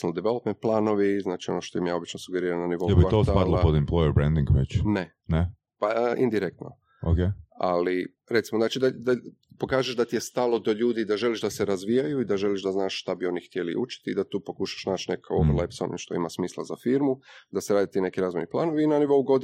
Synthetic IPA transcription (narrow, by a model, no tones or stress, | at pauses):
nld̪eʋelopment̪̚plˠaːno̞ʋiznaːt͡ʃio̞̰noʃt̪oimjaːbit͡ʃnosuɡeɾiːɾananiʋo̞j̪obiospad̪lˠopod̪ɛmplˠojɛɾbɾɛnd̪iŋɡʋet͡ʃne | ne | paəʔind̪iɾek̚t̪no̰ | okea̰li | ɾet̪simoznaːt͡ʃid̪ad̪a | po̞kaːʒeʃd̪at̪ije̞st̪alo̞d̪oʎuːd̪id̪aʒe̞liʒd̪aseɾazʋijajuid̪aʒe̞liʃd̪aznaːʃʃt̪abio̞nixt̪jelḭʔṵt͡ʃi̥t̪iːd̪at̪uːpo̞kuʃḁʃnaːt͡ʃnekʰaobɾlepsaonḭmʃt̪o̞ḭmasmiːslˠa̰zafiɾmud̪aseɾaːd̪it̪ːine̞kiɾaːzmeniplˠaːnoʋiːnaniʋo̞uɡo̞d̪